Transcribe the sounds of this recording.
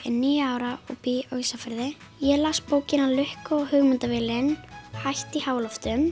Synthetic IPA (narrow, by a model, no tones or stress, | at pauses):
ɛ̰nniːjʏaːwɾaɔ̰ɣpiœːɥsafaɾðɪ | jɛlaspoːwcɪnalʏhkaɔɣhʏɣmʏnt̪avɪlɪnhajht̪ihaːwlɔft̪ʏm